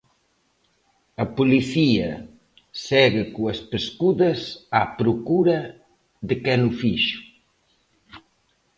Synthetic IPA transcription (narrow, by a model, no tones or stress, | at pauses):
ɐpuliθiɐ | sɛɣɪkuɐspeskuðɐsapɾukuɾɐ | ðekɛnufiʃu̥